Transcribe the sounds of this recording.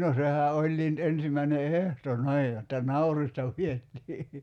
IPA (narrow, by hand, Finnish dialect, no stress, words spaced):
no sehæ ʔolʲːiː ny̆t ensimæine ehto ni̞ij jotːɑ nɑuristɑ pietːiː